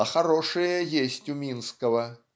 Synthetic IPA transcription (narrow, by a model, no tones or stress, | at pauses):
ɐxɐɾoʂɨjəjesʲtʲʊmʲinskəvə